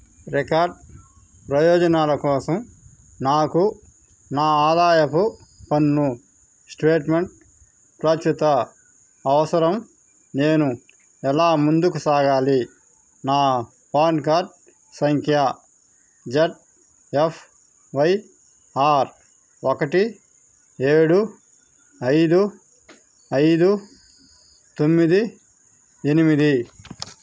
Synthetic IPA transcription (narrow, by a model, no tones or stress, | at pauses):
ɾikaːɾɖ̚ | pɾɐjɔːd͡ʒɐnaːlɐkɔːsɐm | naːku | naːaːd̪aːjɐkupɐnːu | sʈɾeːʈmeɳʈ̚ | pɾaːt͡ʃɾit̪ɐ | ɐʋɐsɐɾɐm | ne̞ːnu | ɛlaːmund̪ukusaːɡaːli | naː | paːnkaːɾʈ̚ | sɐŋkʰjɐ | d͡ʒɐʈ̚ | epʰ | ʋɐj | aːɾ | okɐʈi | eːɽu | ɐjd̪u | ɐjd̪u | t̪o̞mːid̪i | enimid̪i